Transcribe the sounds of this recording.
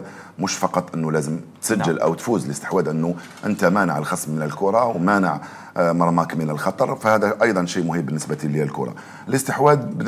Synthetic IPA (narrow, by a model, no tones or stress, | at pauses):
mʊʃfɑqɑt̪ˤːʔənːulæzəmt̪sæʒːəlʔæ̰wt̪fuzələst̪ə̥ħwæd̪ʔənːu | ʔənt̪æmænəʕəlxɑsˤmːənəlkʊɾˤɑwmænəʕ | mɑɾˤmɑkmənəlxɑt̪ˤɑɾˤfæhæd̪æʔɑjd̪ˤɑnʃijmʊhəbbənːəsbæt̪ilːælkʊ̰ɾˤɑ̰ | ələst̪əħwæd̪̚bə